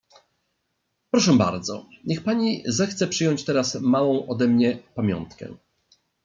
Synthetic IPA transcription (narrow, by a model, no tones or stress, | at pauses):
pɾɔʂɛ̃ba̰ɾd̪zɔ̰ɲɛxpaɲizɛxt̪sɛpʂɘjɔɲt͡ɕt̪ɛɾasmawɔ̃w̃ʔɔd̪ɛmɲɛpamʲjɔ̰nt̪kɛ̰̃